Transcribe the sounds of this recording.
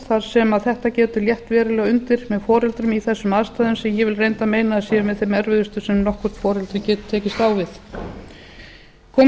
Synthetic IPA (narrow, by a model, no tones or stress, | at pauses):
θaɾ̥sɛmaðθɛht̪acɛːt̪ʏljɛht̪vɛːɾɪlɛɣʏnt̪ɪɾ̥mɛðfɔːɾɛlt̪ɾʏmiθɛsːʏmaːðst̪aːðʏnsɛmjɛvɪlrejnt̪ameːjnasiːʏvɪðθemɛɾvɪðʏst̪ʏsɛmnɔhkvʏɾ̥t̪fɔːɾɛlt̪ɾʏcɛːt̪t̪ʰɛːcɪst̪awvɪθ | kʰɔː